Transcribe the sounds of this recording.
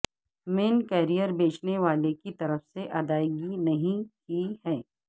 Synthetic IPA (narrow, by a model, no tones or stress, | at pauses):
meːnkɛːɾijəɾbeːt͡ʃneʋaːlekit̪ɐɾəfseʔɐd̪aːjɡinɐɦĩkihɛː